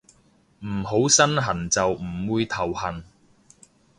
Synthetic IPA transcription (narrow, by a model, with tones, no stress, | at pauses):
m̩˨˩ɦo˨˥wsɐ˥nɦɐ˨˩nt͡sɐ˨wm̩˨˩wuː˨˧jt̪ʰɐ˨˩whɐ˨˩n